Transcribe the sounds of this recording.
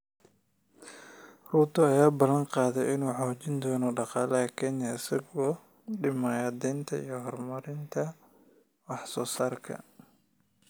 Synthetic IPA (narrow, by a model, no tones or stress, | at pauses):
ruːt̪ʰɔɐjaːbɐlːɐnqɑːðɛjɪnuːħoːt͡ʃɪnd̪ɔːnɔɖɑqɑːlɐɦɐkʰɛnɪjasɐɣɔː | ɖɪmɐːjɐd̪ɛnt̪ʰɐḭjɔɦɔrmɐɾɪnt̪ʰɐ | wɑħsɔːsaːrkʰɐ̰